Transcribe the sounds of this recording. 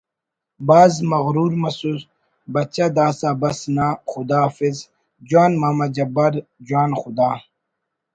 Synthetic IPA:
baːzmɐɣɾuːɾmɐsus | bɐt͡ɕad̪aːsaːbɐsnaxʊd̪aːfiz | d͡ʑwaːnmaːmɐd͡ʑɐbɐɾd͡ʑwaːnxʊd̪aː

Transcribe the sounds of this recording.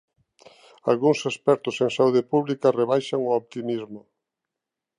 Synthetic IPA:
alɣuŋsespɛɾt̪ʊseŋsauð̞epuβlikareβajʃaŋʊopt̪imizmʊ

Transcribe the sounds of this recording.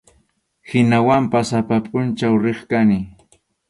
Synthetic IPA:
hɪnawampasapapʼʊnt͡ʃawɾeχkanɪ

